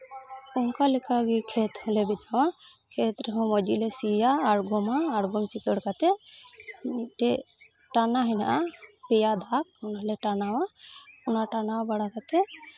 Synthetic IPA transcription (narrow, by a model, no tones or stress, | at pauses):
unkalɛkʰaɡikʰɛt̪hɔ̃lɛbit̪awakʰɛt̪ɾɛɦɔ̃mɔd͡ʒilɛsijaːɾɡɔmaːɾɡɔmt͡ʃikəɽkat̪ɛ | iʈɛ | ʈanaɦɛna̰ʔapɛjad̪ʱak̚ɔnalɛʈanawaunaʈanaabaɽakat̪ɛ